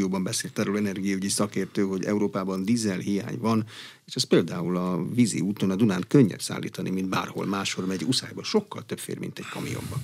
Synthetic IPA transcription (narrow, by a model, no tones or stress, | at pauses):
oːbɒmbɛseːlt̪ɛɾulɛnɛrɡijɒyɟisɒkeːrt̪øːɦo̞ɟɛ̰uɾoːpaːbɒnd̪izɛlɦija̰ːɲvɒn | eːʃɛspeːld̪aːulɒvizḭuːt̪onɒd̪unaːnkøɲːɛ̰psa̰ːlːḭːt̪ɒnimind̪̚ba̰ːrho̞̰lmaːʃho̞rmɛɟusa̰ːjboʃo̞kːɒlt̪øpfḛːrmḭnt̪ɛɟkɒmḭjo̞̰mbɒ